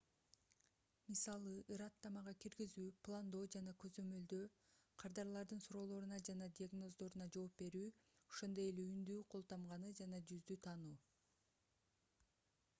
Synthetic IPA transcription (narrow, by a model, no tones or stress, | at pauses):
misɑlˠɯʔɯɾɑt̪ːɑmɑʁɑkiɾɡizyːplˠand̪o̞ːd͡ʒɑnɑkø̞zø̞mø̞ld̪øqʰɑɾd̪ɑɾlˠɑɾd̪ɯnsuɾo̞ːlˠo̞ɾunɑd͡ʒɑnɑd̪ʲiaɡno̞zd̪o̞ɾunɑd͡ʒo̞ːpbe̞ɾyːoʃo̞nd̪oje̞leynd̪yːqʰo̞lˠt̪ɑmʁɑnɯd͡ʒɑnɑd͡ʒyzd̪yt̪ʰɑnuː